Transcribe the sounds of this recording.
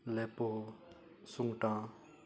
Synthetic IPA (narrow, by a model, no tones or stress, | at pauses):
lɛpo | suŋʈã